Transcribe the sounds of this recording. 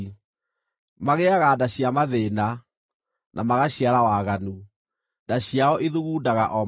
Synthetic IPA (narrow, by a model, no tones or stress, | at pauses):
maɣeaɣadaɕiamaðena | nʔamaɣaɕiaɾawaɣanu | daɕjaɔʔeðuɣuːdaɣaʔɔ